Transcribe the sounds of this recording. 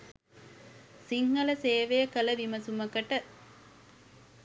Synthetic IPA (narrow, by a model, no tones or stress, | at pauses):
siŋːɐləseːʋejəkələʋ̪imɐsuməkəʈə